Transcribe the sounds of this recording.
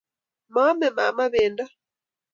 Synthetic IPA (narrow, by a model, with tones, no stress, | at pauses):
ma˦mɛ˨ma˨ma˦βɛ˨nda˦